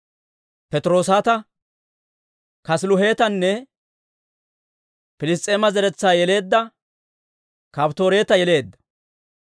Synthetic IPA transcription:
pɛt̪ʼɾoːsaːt̪ɐ | kɐslʊɦe̞ːt̪ɐnːɛ | pɪlɪst̪ʼːeːmɐzɛɾɛt͡sːaːjɛle̞ːd̪ːɐ | kɐpt̪o̞ːɾe̞ːt̪ɐjɛle̞ːd̪ːɐ̥

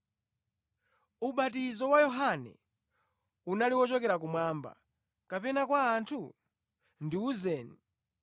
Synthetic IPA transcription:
uɓatizɔwajɔɦanɛ̰ | unaliwɔt͡ʃɔkɛɾak̬umwaːmba̰ | kapɛnakwaːntʰu | ndiuzɛːni

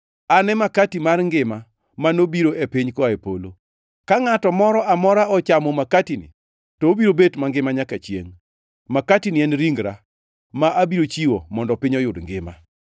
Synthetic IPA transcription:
anɛmakatimarŋɡɪma | manobiɾoʔepiɲkɔaepolo | kaŋatɔmɔɾɔʔamɔɾaɔt͡ʃamɔmakatinḭ | tɔːbiɾobetmaŋɡɪmaɲakat͡ʃjḛŋ | makatiniɛnɾiŋɡɾa | maʔabiɾot͡ʃiwo̰mɔndɔpɪɲɔjʊdŋɡɪma

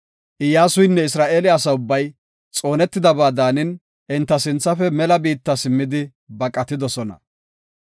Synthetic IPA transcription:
ʔɪjːaːsʊjnːɛɪs̬ɾaːʔeːlɪɐs̬ɐʊbːɐj | t͡sʼo̞ːnɛt̪ːɪd̪ɐbaːd̪aːnɪn | ʔɪnt̪ːɐsɪnt͡sːɐfɛmɛlɐbiːt̪ːɐsɪmːɪd̪ɪ | bɐkʼɐt̪ɪd̪ɔsɔnɐ̰

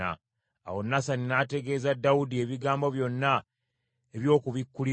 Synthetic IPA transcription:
a̰ | a̰wo̞nːasaninate̞ɡe̞ːzadːawudie̞βiɡaːmbo̞βjo̞nːa | eβjo̞ːkuβikːuli

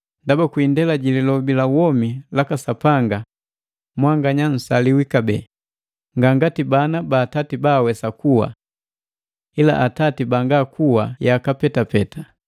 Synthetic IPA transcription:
ndabakwindɛlaɟililɔbilawɔmilakasapaŋɡa | mwaŋɡaɲan̩saliwikabɛː | ŋɡaŋɡatibanabaːtatibaːwɛsakuwa̰ | ila̰ʔatatibaŋɡakuwajakapɛtapɛta

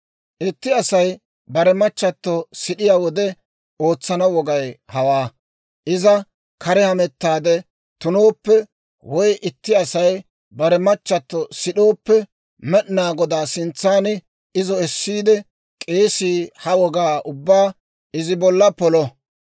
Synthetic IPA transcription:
ʔɪt̪ːɪɐsɐj | bɐɾɛmɐt͡ʃːɐt̪ːɔsɪɗɪjaːwɔd̪ɛ | o̞ːt͡sːɐnɐwɔɡɐjhɐwaː | ʔɪzɐ | kʰɐɾɛhɐmɛt̪ːaːd̪ɛ | t̪ʊno̞ːpːɛ | wɔjʔɪt̪ːɪɐsɐj | bɐɾɛmɐt͡ʃːɐt̪ːɔsɪɗo̞ːpːɛ | mɛɗnaːɡɔd̪aːsɪnt͡sːaːnɪ | ɪzɔɛsːiːd̪ɛ | kʼe̞ːsiːhɐwɔɡaːʔʊbːaː | ɪzɪbɔlːɐpɔlɔ

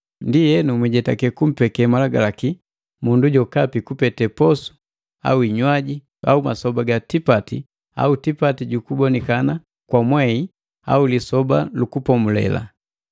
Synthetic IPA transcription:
ndijɛnumwiɟɛtakɛkum̩pɛkɛmalaɡalaki | munduɟɔkapikupɛtɛpɔsu̥ | a̰uiɲwaɟi | a̰umasɔbaɡatipati | a̰utipatiɟukubɔnɛkana | kwamwɛi | a̰ulisɔbalukupɔmulɛ̰la̰

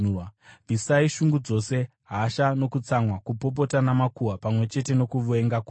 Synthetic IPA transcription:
visaiʃuŋɡud͡zo̞se̞ | ɦaʃano̞kut͡samwakupo̞p̬o̞tanamakuwapamwe̞t͡ʃe̞te̞no̞kuʋue̞ŋɡaku

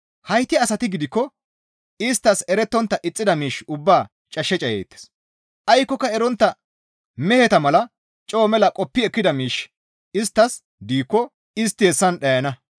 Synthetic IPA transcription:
hɐjt̪ːɪɐsɐt̪ɪɡɪd̪ɪkːɔ | ɪst̪ːɐsɛɾɛt̪ːɔnt̪ːɐʔɪt͡sʼːɪd̪ɐmiːʃʊbːaː | t͡ʃʼɐʃːɛt͡ʃʼɐjḛːt̪ːɛ̥s | ʔɐjkːɔkːɐɛɾɔnt̪ːɐ | mɛhɛt̪ɐmɐlɐ | t͡ʃʼoːmɛlɐkʼɔpːɪɛkːɪd̪ɐmiːʃ | ɪst̪ːɐs | d̪iːkːɔ | ɪst̪ːɪhɛsːɐnɗɐjɐnɐ

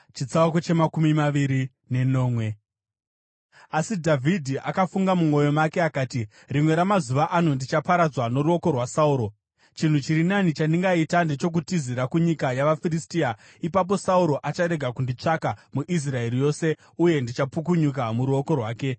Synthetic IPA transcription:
t͡ʃit͡sawakot͡ʃe̞makumimaʋiɾi | ne̞no̞ːmwe̞ | asidʱavʱidʱiʔakafuŋɡamumwo̞jo̞make̞akaːti | rimwe̞ɾamazuʋaʔan̤ondit͡ʃapaɾad͡zwano̞ɾuo̞ko̞rwasauɾo̞ | t͡ʃin̤ut͡ʃiɾinanit͡ʃandiŋɡaitande̞t͡ʃo̞k̬utiziɾakuɲikajaʋafiristia | ipap̬o̞sauɾo̞ʔat͡ʃaɾe̞ɡʱakundit͡ʂakamuʔis̬rae̞rijo̞se̞ | uje̞ndit͡ʃapuk̬uɲuk̬amuɾuo̞ko̞rwaːke̞

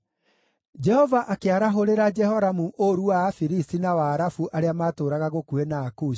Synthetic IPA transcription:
d͡ʒɛhɔvaʔakeaɾaɦoɾeɾad͡ʒɛhɔɾamuʔoɾuwafiɾistinawaːɾafuʔaɾeamaːtoːɾaɣaɣokuenaːkui̥

